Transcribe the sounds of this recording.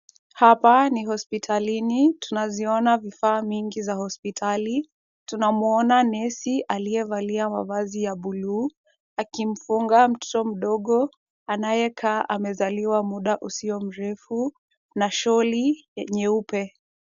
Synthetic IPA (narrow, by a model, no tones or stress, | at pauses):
hapaniɦɔspitʰalinitunaziɔnavifaːmiŋɡizahɔspitʰali | tunamuɔnanɛsiʔaliɛvaliama̰vazijaɓuluː | akim̩fuŋɡam̩tɔ̥tɔm̩ɗɔɠɔ | anajɛkʰaːʔamɛzaliwamuɗaʔusiɔm̩ɾɛfu | naʃɔlijɛɲɛupɛ